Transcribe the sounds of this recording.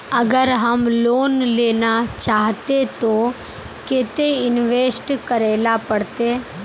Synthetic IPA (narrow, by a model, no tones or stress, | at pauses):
əɡəɾɦəmloːnleːnat͡ʃaːɦt̪et̪o | keːt̪eɪnʋeːsʈkəɾeːlapəɽt̪eː